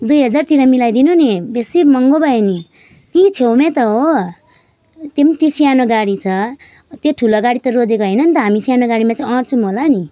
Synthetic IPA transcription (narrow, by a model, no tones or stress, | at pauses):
d̪ujɦʌd͡zart̪iɾʌmilajd̪inonebesimʌŋɡobʌeni | t̪ĩt͡sʰewmẽt̪ʌɦo | t̪emt̪isijanoɡaɽit͡sʰʌ | t̪joʈʰuloɡaɽit̪ʌrod͡zekoɦʌjnʌnt̪ʌɦamisijanoɡaɽimat͡saj̃ʌ̃rt͡sʰumolani